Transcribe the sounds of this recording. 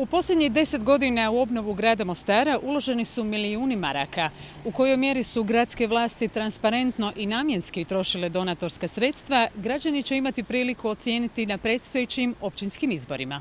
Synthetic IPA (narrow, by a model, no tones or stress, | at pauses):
upo̞slʎʲed̪ɲiɣd̪e̞se̞t̪ɡo̞d̪inauo̞bno̞ʋuɡɾaːd̪amo̞st̪aːɾaʔulˠo̞ʒe̞nisumiliuːnimaɾa̰ka | uko̞jo̞jmje̞ɾisuɡɾat̪ske̞ʋlˠaːst̪it̪ɾanspaɾe̞nt̪no̞ʔinaːmje̞nskit̪ɾo̞ʃiled̪o̞naːt̪o̞ɾskasɾe̞t̪st̪ʋaɡɾad͡ʑanit͡ɕe̞imat̪ipɾiːlikuo̞t̪sje̞ːnit̪inapɾe̞ːt̪st̪ojet͡ɕimo̞pt͡ɕinskimizbo̞̰ɾima